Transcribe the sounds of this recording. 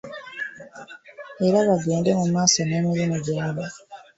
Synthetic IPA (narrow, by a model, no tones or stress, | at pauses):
eɾaβaɡeːndemumaːsoneːmiɾimuɟaːβa